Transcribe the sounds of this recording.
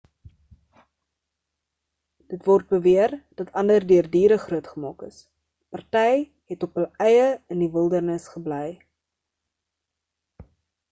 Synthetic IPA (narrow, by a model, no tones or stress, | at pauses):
d̥ətvɔrt̚bəviərd̥ɐtʰɐndərdøərdiːɾəχruətχəmɑːkə̰s | pɐrtɛj | ɦɛtɔpɦəlɛjəəndivəlˠdərnəsχəblɛj